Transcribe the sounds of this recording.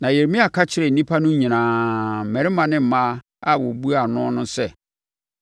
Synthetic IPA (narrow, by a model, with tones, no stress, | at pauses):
nã˨jɛ˨ɾmɪ̃˦a˨kʰa˦t͡ɕʰɪ˦ɾɛ˨nĩ˦pʰa˦nʊ̃˦ɲĩ˨nãː˨mɛ̃˨ɾɪ˦mã˨nɪ̃˦m̩˨˦mã˦ | a˦wɔ˨bu˦a˨nʊ̃˦nʊ̃˦sɛ˦˨